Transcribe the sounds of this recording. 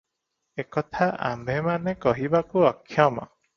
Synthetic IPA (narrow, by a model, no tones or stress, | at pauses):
ekɔt̪ʰaa̰mbemanekɔɦibakuɔkʰːjamɔ̰